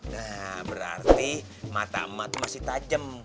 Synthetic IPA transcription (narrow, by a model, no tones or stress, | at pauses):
nahbəɾa̰rt̪i | mat̪a̰əmːat̪umasɪht̪ad͡ʒəm